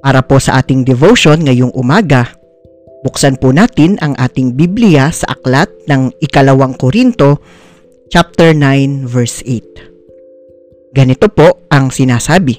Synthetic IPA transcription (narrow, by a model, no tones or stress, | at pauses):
paːɾɐpo̞sɐʔaːt̪ɪŋd̪ɛvowʃonŋɐjoŋʔʊmaːɡɐ | bʊksanpʊnaːt̪ɪnʔɐŋʔaːt̪ɪŋbiblɪjasɐʔɐklat̪̚nɐŋʔɪkɐlɐwaŋkoɾint̪o̞ | t͡ʃap̚t̪ɛɹnajnvɛɹsʔejt̪̚ | ɡɐnɪt̪o̞po̞ʔɐŋsɪnaːsaːbɪ